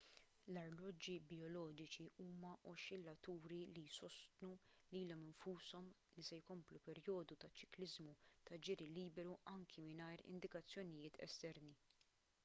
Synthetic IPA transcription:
lɐɾlɔd͡ʒːibjɔlɔːd͡ʒɪt͡ʃiʔuːmɐʔɔʃɪlːɐt̪ːuːɾilijsɔst̪nuliːlɔmɪnfuːsɔmlisɛjkɔmplupɛɾjɔːd̪ut̪ɐt͡ʃːɪ̥klɪzmut̪ɐd͡ʒɪɾiliːbɛɾuʔɐŋkʰimɪnɐjɾɪ̰nd̪ɪkɐt͡sːjɔnɪjɪːt̪ʰɛ̰st̪ɛɾni

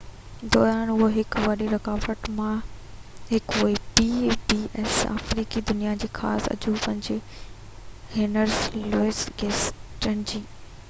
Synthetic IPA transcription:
d̪ɔːɾaːnʊɦoɦɪkʋɐɗiɾɐkaːfəʈmã | ɦɪkʊibiːbiːɛsa̰ːfɾiːkid̪ʊnijad͡ʑeːxa̰ːsɐ̰d͡ʑupɐ̃ɦɪ̃ɲd͡ʑe | heːnəɾzloːɪsɡeːsʈɐɳ̃d͡ʑiː

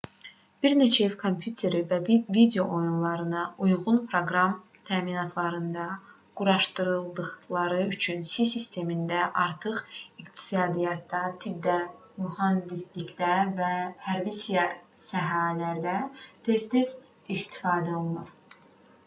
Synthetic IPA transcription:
b̥iɾne̞t͡ʃʰæefkʰo̞mpʰjut̪ʰe̞ɾivævid̪ejo̞ʔojunlˠɑɾɯnɑʔujʁunpʰɾo̞ɡɾɑm | t̪ʰæːminɑt̪ʰlˠɑɾɯnd̪ɑ | ɡ̥uɾɑʃt̪ɯɾɯlˠd̪ɯχlˠɑɾɯyt͡ʃʰynsisist̪ʰe̞mind̪æʔɑɾt̪ʰɯχikt̪ʰi̥sɑːd̪ijɑt̪ʰːɑt̪ʰib̚d̪æ | muhɑnd̪islicd̪ævæhæɾvisijɑsæɦɑlæɾd̪æt̪ʰest̪ʰes | ist̪ʰi̥fɑːd̪æo̞lˠunuɾ̥

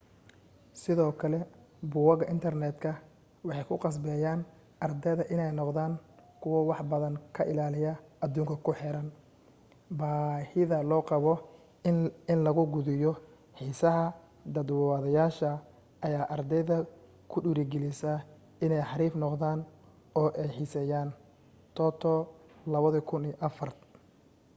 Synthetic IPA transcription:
sɪðɔːkʰɐlɛbʊwɐɣɐʔɪnt̪ʰɐrnɛːd̪kʰɐ | wɑħɑjkʰʊqɑs̬bɛːjaːn | ʔɐrd̪ɛðɐʔɪnɛjnɔqðaːŋkʰʊwɐwɑħbɐðɐŋkʰɐʔɪlaːlɪjɐɐd̪uːŋkʰɐkʰʊħɛɾɐn | baːhɪðɐlɔːqɑβɔ | ɪnlɐɣʊɡʊðɪjɔ | ħiːsɐɦɐ | d̪ɐd̪wɑðɐjaːʃɐ | ɐjaːʔɐrd̪ɛjðɐ | kʰʊɗuːɾɪɡɛlɪsɐ | ɪnɛjħɑɾiːfnɔqðaːn | ɔːʔɛjħiːsɛːjaːn | t̪ʰɔːt̪ʰɔːlɐβɐðɐkʰʊniːʔɐfɐrt̪

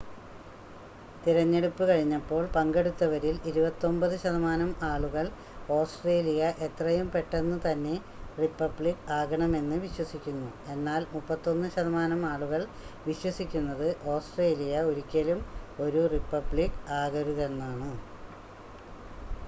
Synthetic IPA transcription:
t̪iɾɐɲːe̞ɽupːɨkɐɻiɲːɐpːo̞ːɭpɐŋɡe̞ɽut̪ːɐʋɐɾiliɾubɐt̪ːo̞mbɐðɨɕɐðɐmaːnɐmaːɭuɣɐɭ | o̞ːsʈre̞ːlijɐʔe̞t̪rɐjumpe̞ʈːe̞nːɨt̪ɐnːe̞ | ripːɐbɭikaːɣɐɳɐme̞nːɨʋiɕwɐsikʲːunːue̞nːaːlmupːɐt̪ːo̞nːɨɕɐðɐmaːnɐmaːɭuɣɐɭ | ʋiɕwɐsikʲːunːɐðɨʔo̞ːsʈre̞ːlijɐoɾukʲːɐlumo̞ɾuripːɐbɭikaːɣɐɾuɣɐlnːaːɳɨ

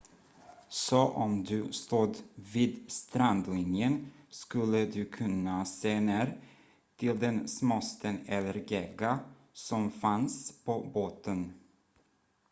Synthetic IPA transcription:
soʔɔmd̪ɵst̪uːd̪viːd̪st̪ɾand̪lɪnjənskɵlːəd̪ɵkʰɵnːaseːneːɾ | t̪ʰɪld̪ɛnsmɔst̪ʰənɛlːəɾɡeːɡa | sɔmfanspʰoboːt̪ən

